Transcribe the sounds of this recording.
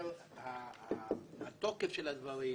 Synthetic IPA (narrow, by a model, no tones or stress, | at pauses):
ha | hat̪okefʃelad̪vaʁi